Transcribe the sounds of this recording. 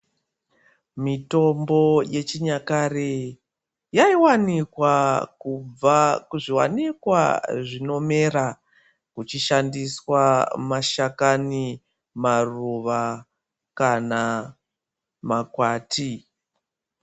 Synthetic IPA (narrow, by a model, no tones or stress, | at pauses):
mito̞mbo̞je̞t͡ʃiɲakare | jaiwanikwakub͡vakuʐiwa̰nikwa̰ʐino̞me̞ɾa | kut͡ʃiʃandiswamaʃakani | maruʋa | kana | makwaːti